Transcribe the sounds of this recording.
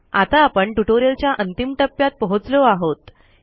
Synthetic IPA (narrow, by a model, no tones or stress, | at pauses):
at̪aːpəɳʈuʈoɾjəlt͡ɕjaʔənt̪imʈəpːjat̪̚pɔɦot͡sloaɦot̪